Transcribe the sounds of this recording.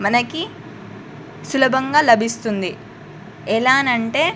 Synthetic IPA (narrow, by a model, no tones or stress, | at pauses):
mɐnɐki | sulɐbʱɐŋɡaːlɐbʱist̪und̪i | ɛlaːnɐɳʈe̞ː